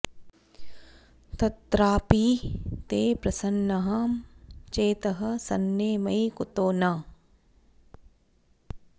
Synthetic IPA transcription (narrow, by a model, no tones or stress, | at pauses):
t̪ɐt̪ɾaːpiːt̪eːpɾɐsɐnːɐɦɐ | t͡ʃeːt̪ɐɦɐsɐnːeːmɐjkʊt̪oːnaː